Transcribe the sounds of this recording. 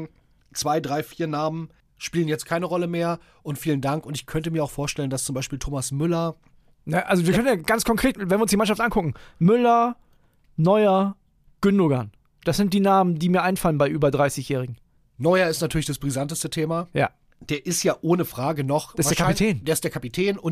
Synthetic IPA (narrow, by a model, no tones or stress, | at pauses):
t͡sv̥aɪdʁaɪfiːɐnaːmən | ʃpiːlənjɛt͡stkʰaɪnəʁɔləmeːɐ | ʔʊntfiːləndaŋkʊntɪçkʰœntəmiːɐaʊxfoːɐʃtɛləndast͡sʊmbaɪʃpiːltʰoːmasmʏlɐ | naʔalzoviːɐœnənjaːɡant͡skʰɔŋkʁ̥eːtvɛnviɪɐʊnsd̥iːmanʃaftʔankʰʊkŋ̩mʏlɐ | nɔʏɐ | ɡ̥ʏndoːɡɐn | d̥asz̥ɪnt̚d̥iːnaːməndiːmiːɐʔaɪnfalənbaɪʔyːbɐdʁaɪsɪçjɛːʁɪɡŋ̩ | nɔʏɐɪstnatʰyːɐlɪçd̥asb̥ʁizantəstətʰeːmaja̰ː | d̥eːɐʔɪstjaːʔoːnəfʁ̥aːɡənɔχsdeɐkapitʰɛːnd̥eːɐɪsd̥eːɐkʰapitʰɛːnʊn